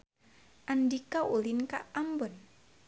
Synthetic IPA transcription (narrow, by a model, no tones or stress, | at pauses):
ʔandikaulinka̰ʔambɔn